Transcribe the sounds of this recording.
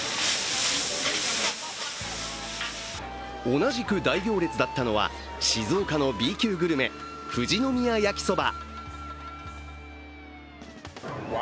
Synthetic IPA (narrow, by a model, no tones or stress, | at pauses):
o̞naʑikɯ̟d̪aiɡʲo̞ːɾe̞t͡sɨd̪at̪ːano̞βa̰ | ɕizoːkano̞bʲiːkʲɨːɡɯ̟ɾɯ̟me̞ɸɯ̟ʑino̞mʲiajakʲi̥so̞ba̰